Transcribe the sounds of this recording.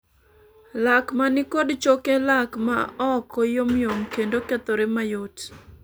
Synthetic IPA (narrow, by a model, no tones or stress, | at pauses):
lakmanɪkodt͡ʃokelakma̰ɔkɔjomjoŋkendoket̪oɾemajot